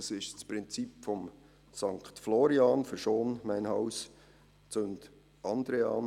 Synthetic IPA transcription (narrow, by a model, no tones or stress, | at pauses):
sɪʃt͡spɾɪnt͡sipfɔm | sɑŋktflɔɾiɑːnfəɾʃoːnmæɪnhɑws | t͡sønt | ʔɑnd̪ɾeɑːn